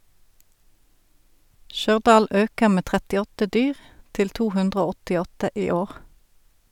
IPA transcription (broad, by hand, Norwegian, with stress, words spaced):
ˈʃœʁˌdɑːl ˈøːkəʁ ˈmeː ˌtʁɛtɪˈɔtə ˈdyːʁ ˈtɪl ˈtuː ˈhʉndʁə ˈoː ˌɔtɪˈɔtə ˈʔiː ˈoːʁ